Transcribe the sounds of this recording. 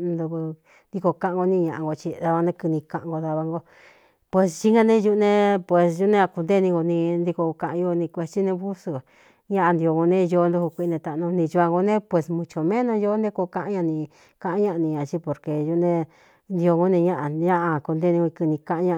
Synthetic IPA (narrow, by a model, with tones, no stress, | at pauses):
nd̪u˧βu˧ | nd̪i˧ko˧kã˧˦ʔã˧ɡo˧nĩ˧ɲã˧ʔã˧ŋɡo˧t͡ʃi˧ða˧βa˧nẽ˧kɨ˧nĩ˧kã˧ʔã˧ŋɡo˧ða˧βa˧ŋɡo˧ | pwe˧st͡ʃi˦ŋã˧nẽ˦ju˧ʔnẽ˦pwe˨sju˦nẽ˧a˧ku˧nd̪e˦˧nĩ˧ŋɡo˧nĩ˧nd̪i˧ko˧kã˧ʔã˧o˧nĩ˧kʷe˧t͡ʃi˦nẽ˧βu˦su˧˨ | ɲã˦ʔa˧nd̪i˧o˧ŋɡo˧nẽ˦jo˧˦˧nd̪u˧˦hu˧kʷi˧˦˧nẽ˧t̪a˧˨˧nõ˧nĩ˧t͡ʃu˧a˧ŋɡo˧nẽ˦pwe˨smũ˧t͡ʃo˧˨mẽ˦nõ˧jo˦nd̪ẽ˦ko˧kã˧ʔã˦ɲã˧nĩ˧ | kã˧ʔã˧˦ɲã˦ʔa˧nĩ˧ɲã˨˧˨t͡ʃi˧˦po˧ɾke˧ju˧˦nẽ˧ | nd̪i˧o˧ŋɡo˦nẽ˧ɲã˦ʔa˧ɲã˦ʔa˧ku˧nd̪e˦˧nĩ˧ɡo˧kɨ˧nĩ˧kã˧ʔã˧ɲã˦˧